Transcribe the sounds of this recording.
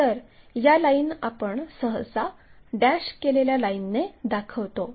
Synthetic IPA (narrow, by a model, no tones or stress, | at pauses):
t̪əɾ | jalainapəɳsəɦə̰saɖæɕkeleljalainːed̪akʰəʋt̪o